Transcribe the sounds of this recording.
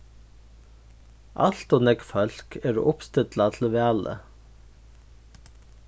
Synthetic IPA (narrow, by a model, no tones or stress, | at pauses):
a̰ɬt̪ɔːnɛkfœl̥keːɾ̰ʔʊpst̪ɪt̪lat̪ʰɪl̩ʋæːlə̰